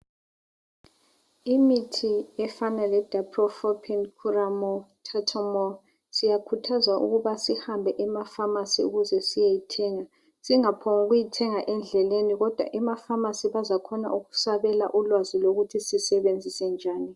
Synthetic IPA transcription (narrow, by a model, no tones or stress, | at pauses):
imitʰiɛfanalɛd̥ʱapʰrɔfɔpʰɛnkʰuramɔtʰatʰɔmɔ | sijakʰutʰazaʔṵɣuβasihambʱɛʔɛmafamasiṵɣuzɛsijejitʰɛːŋa | siŋapʰɔŋuɣujitʰɛŋaʔɛnd͡ɮʱɛleniɣɔd̥ʱwa̰ʔɛmafamasiβazakʰɔna̰ʔuɣu̥saβɛla̰ʔulwaziloɣutʰisisɛβend͡zʱisɛnd͡ʒʱaːni